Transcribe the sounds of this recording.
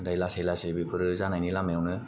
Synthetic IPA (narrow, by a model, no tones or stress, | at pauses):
ɾajlasejlasebipʰɯɾɯzanajnilamejwnɯ